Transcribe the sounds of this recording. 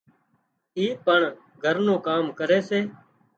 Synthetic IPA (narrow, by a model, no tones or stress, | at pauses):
iːpəɳ | ɡʱəɾnũːkaːmkəɾeːseː